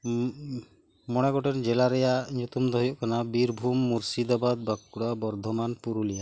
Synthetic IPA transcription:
mɔɽ̃ɛɡɔʈɔnd͡ʒɛlaɾɛjaʔɲut̪umd̪ɔɦɔjɔʔkanabiɾbʱumːuɾsid̪abad̪̚bakuɽabɔɾd̪ʱɔmanpuɾulija

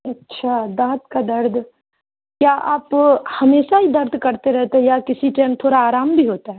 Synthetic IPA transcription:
ɐtːʃʰad̪ãːt̪kad̪ɐɾd̪ʱ | kjaːʔaːphɐmeːʃaɦid̪ɐɾd̪ʱkɐɾt̪eɾɛɦt̪eɦɛjakɪsiʈɛːmt̪ʰoːɾaːɾaːmbʱiɦoːt̪aɦɛ

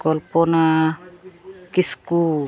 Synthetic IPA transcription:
kɔlpɔna | kisku

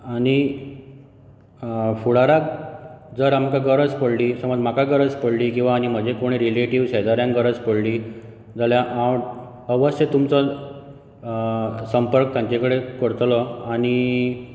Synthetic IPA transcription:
aɽ̃i | fuɽaɾakd͡zəɾamkaɡəɾəd͡zpəɽliːsəməd͡zm̤akaɡəɾəd͡zpəɽliːkĩw̃ʋaːɽ̃im̤əd͡ʑekoɽ̃iɾileʈiʋɕed͡zaɾjãŋkɡəɾəd͡zpəɽliː | d͡zaljaʔa | əʋəst̪et̪umt͡sɔ | səmpəɾk̚t̪jãɲt͡ɕekəɽekəɽt̪lɔaɽ̃i

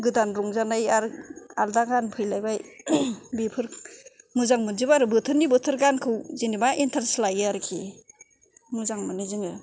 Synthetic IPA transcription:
ɡɯdanɾuŋzanajaɾaldaɡanpʰɯjlajbaj | bepʰɯɾ | muzaŋmɯnzibaɾɯbɯtʰɯɾnibɯtʰɯɾɡankʰɯwzinibaʔintʰaɾslajaɾkʰi | muzaŋmɯnːizɯŋɯ

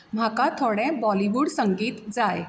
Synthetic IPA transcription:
m̤ʱakat̪ʰoɽɛ̃bɔliʋuːɽsəŋɡiːt̪d͡zaj

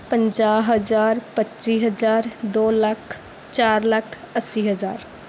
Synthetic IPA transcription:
pə̃ɲd͡ʒaːɦəzaːɾpətːt͡ʃiːɦəzaːɾd̪oːlɐkʰ | t͡ʃaːɾlɐkʰ | əsːiːɦəzaːɾ

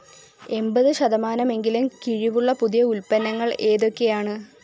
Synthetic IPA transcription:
e̞mbɐðɨɕɐðɐmaːnɐme̞ŋɡilumkiɻiʋuɭːɐpuðijɐulpɐnːɐŋːɐɭe̞ːðo̞kːe̞jaːɳɨ

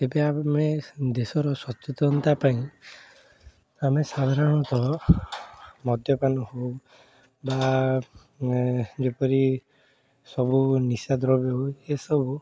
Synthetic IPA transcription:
ebeamed̪esɔɾɔswɔtɔt̪ɔnt̪apaĩ | amesad̪ʱaɾɔɽ̃ɔt̪ɔɦɔ | mɔd̪ʱjɔpanɔhow | ba | d͡ʒepɔɾi | sɔbunisad̪ɾɔbewesɔbu

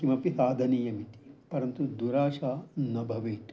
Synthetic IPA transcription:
kimɐpisaːd̪ʱɐniːjɐmit̪i̥pɐɾɐnt̪ud̪uɾaːʃaːnɐbʱɐʋeːʈ

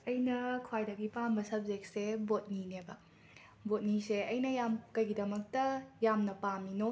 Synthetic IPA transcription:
ɐjnɐkʰwajdɐɡipambɐsɐb̚zek̚sebot̚ninebɐ | bot̚niseɐjnɐjamkɐjɡidɐmɐk̚tɐjamnɐpamino

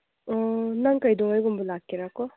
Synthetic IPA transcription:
ɔnaŋkajdɔŋajɡɔmbɔlakːiɾakɔ

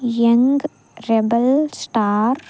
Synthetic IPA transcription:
jɐŋɡ | ɾebəlsʈaːɾ

